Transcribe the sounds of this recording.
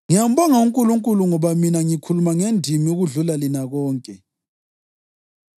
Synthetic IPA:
ŋijam̩bɔŋauŋkʼuluŋkʼuluŋɔβaminaŋikʰulumaŋendʱimiuɣuɮulalinaɣɔːŋkʼɛ

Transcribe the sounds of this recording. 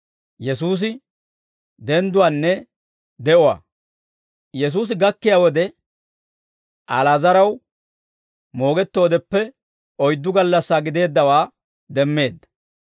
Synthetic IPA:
jɛsuːs̬ɪ | d̪ɛnd̪ʊwaːnːɛ | d̪ɛʔʊwa̰ː | jɛs̬uːs̬ɪɡɐkːɪjaːwɔd̪ɛ | ʔalaːzɐɾɐw | mo̞ːɡɛt̪ːo̞ːd̪ɛpːɛ | ɔjd̪ːʊɡɐlːɐsːaːɡɪd̪e̞ːd̪ːɐwaː | d̪ɛmːe̞ːd̪ːɐ̥

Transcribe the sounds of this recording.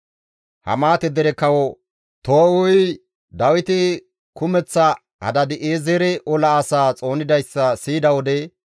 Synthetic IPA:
hɐ̰maːt̪ɛd̪ɛɾɛkɐwɔ | t̪oːwʊj | d̪ɐwɪt̪ɪ | kʊmɛt͡sːɐ | hɐ̰d̪ɐd̪ɪʔeːzɛɾɛʔɔlɐːsaːt͡sʼo̞ːnɪd̪ɐjsːɐsiːd̪ɐwɔd̪ɛ

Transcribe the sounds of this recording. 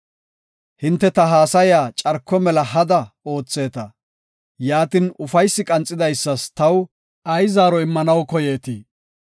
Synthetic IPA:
hɪnt̪ːɛt̪ɐɦaːsɐjaːt͡ʃʼɐɾkːɔmɛlɐhɐd̪ɐo̞ːt͡sːe̞ːt̪ɐ | jaːt̪ɪnʊfɐjsːɪkʼɐnt͡sʼːɪd̪ɐjsːɐst̪ɐw | ɐjzaːɾɔɪmːɐnɐwkɔjeːt̪iː

